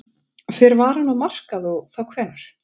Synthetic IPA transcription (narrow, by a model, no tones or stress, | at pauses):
fɪɾvaːɾanːɔmar̥kaðɔθawkʰvɛːnaɾ̥